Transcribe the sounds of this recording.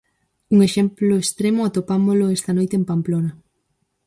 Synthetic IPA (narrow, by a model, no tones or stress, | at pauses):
uŋeʃemplʊest̪ɾemʊat̪opamoloest̪ɐnojt̪empamplonɐ